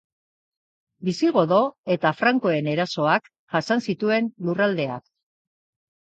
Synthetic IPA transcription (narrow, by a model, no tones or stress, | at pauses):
bisiɣ̞o̞ðo̞e̞t̪afɾaŋko̞e̞ne̞ɾaso̞ak | ʝ̥asansit̪ue̞nlurald̪e̞a̰k̚